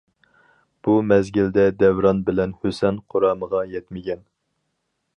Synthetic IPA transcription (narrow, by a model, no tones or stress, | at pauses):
b̥umɛzɡʲild̪ɛd̪ɛwɾɑnbɪlɛnhøsɛnqʰoɾɑːməʁɑjɛt̪mɪɡʲɛn